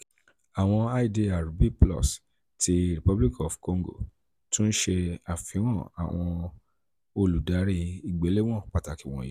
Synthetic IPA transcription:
a˨w̃ɔ̃˧a˦˨i˦˨de˧a˨ɾu˨bi˦plɔ̰˦˨s | ti˧ɾi˨pɔ˦bli˦kɔ˨fko˧ŋ˦ɡo̰˦˨ | tũ˦n̩˦ʃe˧a˨fĩ˨˦w̃ɔ̃˦˨a̰˨w̃ɔ̃˧ | o˧lu˨da˨˦ɾi˧i˨ɡ͡be˨˦le˦w̃ɔ̃˦˨k͡pa˨ta˨ki˨w̃ɔ̰̃˨jḭ˨˦

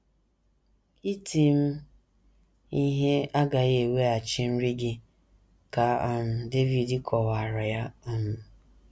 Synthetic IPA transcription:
i˦ti˦m̩˦ | i˦ɦe˦a˦ɡa˨je˨we˦a˨t͡ʃɪ˦n̩˦ɾi˦ɡɪ˦ | ka˨a˦˨nʊ˨de˦vi˨di˦kʰɔ˨wa˨ɾɔ˨ja˦ɔ˦nʊ˨

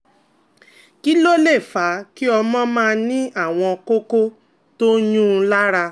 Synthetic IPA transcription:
ki˦lo˦le˦˨fa˨˦ki˦ɔ˧mɔ̃˦mãː˦˧nĩ˦ʔa˦˨w̃ɔ̃˧ko˦ko˦ | to˦jũ˦˧la˦ɾa˧

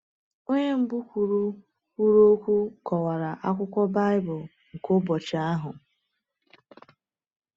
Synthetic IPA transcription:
o˦ɲe˦m̩˨bu˦kʷu˨ɾu˦ | kʷu˦ɾo˦kʷu˦kɔ˨wa˨ɾa˨ʔa˦kʷʊ˦kʷɔ˦ba˦ɪ˦bʊ˨l | ŋ̩˨ko˦bɔ˨t͡ʃa˦ɦʊ˨

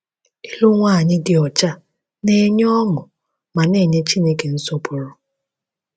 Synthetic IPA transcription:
i˦lʊ˦ŋʷaː˦˨ɲɪ˦dɪ˨ɔ˨t͡ʃa˦ | ne˦ɲ˦ɔ˦ŋʊ˨ | ma˨ne˦˨ɲe˦t͡ʃi˦ne˦ke˨n̩˦so˦pʊ˨ɾʊ˨

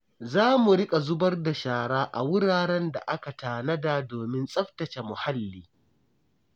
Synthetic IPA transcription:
zaː˦mu˨ɽɪ˦kʼa˨zʊ˦bɐ˦rda˨ʃaː˨ɽaː˦ʔa̰˨wʊ˦ɽaː˨ɽɛ˦nda̰˨ʔa˦ka˨taː˨nɐ˦daː˨doː˨mɪ˦nsʼɐ˦ɸtɐ˨t͡ʃe˨mʊ˨ha˦lːiː˨

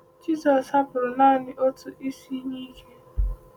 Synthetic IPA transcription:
d͡ʒi˦sɔ˨sha˦pʊ˨ɾʊ˨naː˦˨nɪ˨ʔo˦tʰʊ˦ʔi˦si˦ɲi˦ke˦

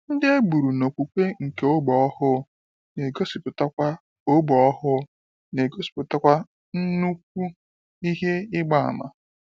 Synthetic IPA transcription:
n̩˦de˦e˦bu˨ɾu˨no˨kʷu˨kʷe˦ŋ̩˨ke˨o˦ɡ͡bɔ˨ɔ˦hʊ˦ | ne˨ɡo˦si˨pʊ˨ta˦kʷa˦ | o˦ɡ͡bɔ˨ɔ˦ɦʊ˦ | ne˨ɡo˦si̥˨pʊ˨ta˦kʷa˦ | n̩˦nu˦k̚ʷu˦ | i˦ɦe˦ɪ˦ɡ͡ba˦˨a̰˨ma̰˨

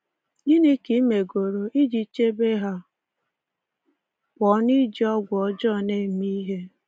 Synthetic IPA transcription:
ɡɪ˦ne˦ki˦me˨ɡo˨ɾo˨ʔi˦d͡ʒi˨t͡ʃe˦be˦ɦa˦ | kʷɔ˨˦ni˦d͡ʒi˦ɔ˦ɡʷɔ˨˦d͡ʒɔ˦˨ne˦˨m˦i˦ɦe˦

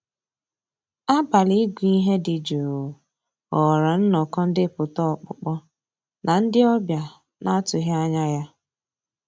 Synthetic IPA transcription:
a˦ba˨li˦ɡʷi˦ɦe˦dɪ˨d͡ʒo˨ | ɔ˨ɾa˨n̩˦nɔ˨kɔ˦n̩˦dɪ˦˨pʊ˨tɔ˦ɔ˨k͡pʊ̰˨k͡pɔ˦ | nʔa˨n̩˦dɪ˦ɔ˦bja˨ | nʔa˦tʊ˨ɦa˦a˦ɲa˦ja˦

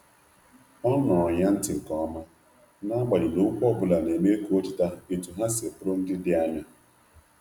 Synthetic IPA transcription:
ɔ˦nɔ˨ɔ˨ɲa˦n̩˦tɪ˨ŋ̩˨kɔ˦ma˦ | na˦a˦ɡ͡ba˨dɪ˨nʊ˦kʷɔ˦bʊ˨la˨ne˨me˦ku˦o˦t͡ʃɪ˦ta˦˨e˨tu˨ɦa˦se˨pʊ˦ɾʊ˦n̩˦dɪ˦dɪ˦a˦ɲa˦

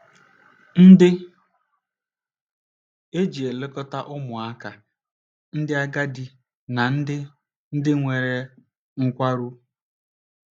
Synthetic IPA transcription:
n̩˦dɪ˦ | e˦d͡ʒi˨e˨le˦kɔ˦ta˦ʔʊ˦mʊ˨a˦ka˨ | n̩˦dɪ˦a˦ɡa˦di˨ | na˨n̩˦dɪ˦ | n̩˦dɪ˦ŋʷe˨ɾe˨ | ŋ̩˦kʷa˦ɾu˦

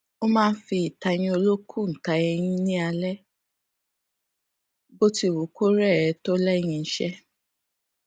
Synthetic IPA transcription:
o˦mãː˦˧˦fi˧i˨ta˧j̃ĩ˧o˧lo˦kʰu˦˨n̩˨ta˧ɛ˧j̃ĩ˧nĩ˦a˧lɛ˦ | bo˦ti˦˨wo˨ko˦ɾɛ˦˨ɛ˨˧˦to˦lɛ˦˧˨j̃ĩ˧˦ʃɛ˦

